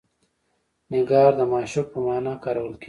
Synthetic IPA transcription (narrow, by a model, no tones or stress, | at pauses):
nɪɡɑːɾd̪əmɑːʃʊk̚pəmɑːnakaːɾawəlke